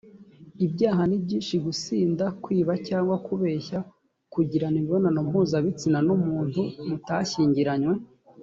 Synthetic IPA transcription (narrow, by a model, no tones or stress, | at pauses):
ibɟaːɦanibɟiːnʃiɡusiːndakwiːβacaːŋɡwakuβeːça | kuɟiɾaniβiβo̞nanom̥huːzaβit͡sinanumuːnthumutaçiːɲɟiɾaɲwe̞